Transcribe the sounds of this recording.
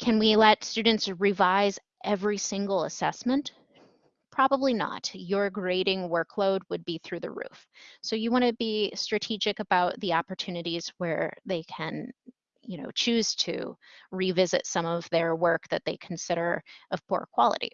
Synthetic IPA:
kʰɨ̃nwilɛtstʉdⁿn̩tsɹivaɪz | ʔɛvɹisɪ̃ŋɡl̩ˠəsɛsmə̃nt | pʰɹ̥ɑbəblinə̰tjə˞ɡɹeɪɾɪ̃ŋwɜ˞kʰloʊd̚wɨd̚biθɹʉðɨ̰ɹʉ̰fsoʊjɨwɑ̃ñɨbistɹ̥ɨtʰid͡ʒɨkəbaʊt̪̚ðiɑpə˞tʰʉnɨɾiz̥wə˞ðeɪkʰɨ̃n | jɨñoʊt͡ʃʰʉz̥tʰɨ̰ɹivɪzɨ̰tsʌ̃mʌvðə˞wɜ˞k̚ðɨt̪̚ðeɪkʰn̩sɪɾə˞ʔʌv̥pʰṵɹkʰw̥ɑlˠə̰ɾḭ

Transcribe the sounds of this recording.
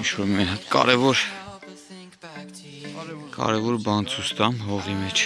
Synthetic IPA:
int͡ʃʰvɔɾmɑnɦɑt̪kɑ̰ɾɛvɔɾ | kɑ̰ɾɛvɔɾbɑnt͡sʰust̪ɑnɦɔʁimɛt͡ʃʰ

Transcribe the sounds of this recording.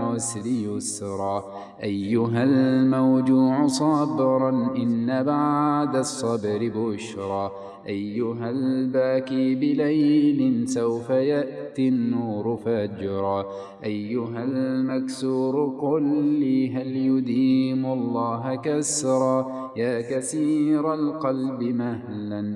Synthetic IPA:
waslɪjʊsɾˤɑː | ʔajːʊɦalmawd͡ʒuːʕʊsˤɑbɾˤɑnʔɪnːabaʕd̪asˤːɑbɾɪbʊʃɾˤɑː | ʔajːʊɦalbaːkiːbɪlajnɪnsawfajaʔt̪inːuːɾʊfad͡ʒɾˤɑː | ʔajːʊɦalmaksuːɾʊqʊlːiːɦaljʊd̪iːmʊɑlˤːɑːɦakasɾˤɑː | jaːkasiːɾˤalqɑlbɪmah | lan

